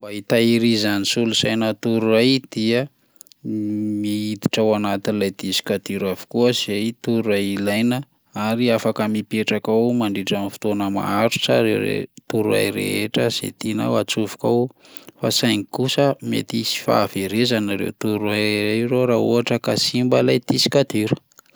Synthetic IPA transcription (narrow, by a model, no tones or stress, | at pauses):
bait̪aiɾizanisulusajnət̪uɾuajd̪̥iə | miid̪i̥ʈ͡ʂawanat̪inilajd̪izi̥kad̪iɾavi̥kuəzizejt̪uɾuajilajnə | aɾiafakəmipieʈ͡ʂakawmaɳɖ͡ʐeʈ͡ʂanfu̥t̪onəma̰aɾut͡saɾeɾḛt̪uɾua̰jɾḛeʈ͡ʂəz̥ḛt̪ina̰wat͡suvu̥kaw | fasajŋikusəmḛt̪isi̥fa̰ːveɾezanaɾḛwt̪uɾuajɾaiɾoɾauɦaʈ͡ʂəkasimbəlajt̪isi̥kad̪iɾu̥